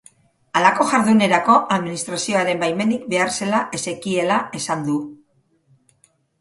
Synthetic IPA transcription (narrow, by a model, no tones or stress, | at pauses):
alako̞ʝaɾðune̞ɾako̞ʔaðminist̪ɾasio̞aɾe̞mbajme̞nik̚be̞arse̞laʔe̞se̞kie̞lae̞sand̪u